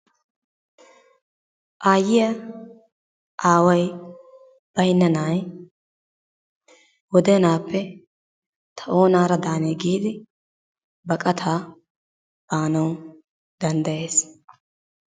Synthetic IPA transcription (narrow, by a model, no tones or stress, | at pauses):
ʔaːjɪjɐ | ʔaːwɐj | b̥ɐjnːɐnaːj | wɔd̪ɛnaːpʰːɛ | t̪ʰɐʔo̞ːnaːɾɐd̪aːneːɡiːd̪ɪ | bɐkʼɐt̪ʰaː | b̥aːnɐw | d̪ɐnd̪ɐje̞ːs